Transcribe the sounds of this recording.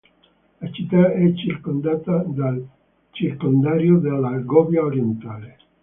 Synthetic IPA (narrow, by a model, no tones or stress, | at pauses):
lat͡ʃit̪ːaɛt͡ʃːirkond̪aːt̪ad̪al | t͡ʃirkond̪aːɾjod̪elːaɡɔbjaoɾjent̪aːle